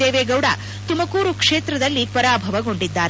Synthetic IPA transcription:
eːʋeːɡɐwɽa̰ː | t̪umɐkuːɾukʂeːt̪ɾɐd̪ɐlːipɐɾaːbʱɐʋɐɡo̞ɳɖid̪ːaːɾe

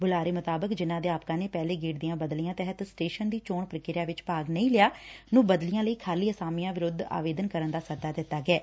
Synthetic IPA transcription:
bʊlaːɾeːmʊt̪aːbəkd͡ʒɪnãːd̪eːaːpkãːneːpɛːleːɡiːʈd̪ijãːbəd̪lijãːt̪ɛɦət̪sʈeːʃənd̪iːt͡ʃoːɳpɾəkɪɾaːʋɪt͡ʃpaːɡnəĩːlɪjaːnũːbəd̪lijãːləiːkʰaːliːəsaːmijãːʋɪɾʊd̪ʱa̰ːʋeːd̪ənkəɾənd̪aːsəɾd̪aːd̪ɪt̪ːaːɡɛː

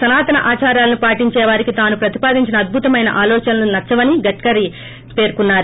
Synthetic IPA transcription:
sɐnaːt̪ɐnɐʔaːt͡ʃaːɾjaːlɐnupaːʈiɲt͡ʃɛːʋaːɾikit̪aːnupɾɐt̪i̥paːd̪ʱiɲt͡ʃinɐːd̪̚bʱut̪ɐmɐjnɐ̰ʔaːlɔːt͡ʃɐnɐlunɐt͡ʃːɐʋɐniɡɐʈkɐɾi | pe̞ːɾkunːaːɾu

